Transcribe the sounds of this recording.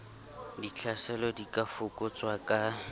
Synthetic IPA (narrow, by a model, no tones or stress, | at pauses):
dit͡ɬʰasɛlɔdikʼafʊkʼʊt͡sʼwakʼa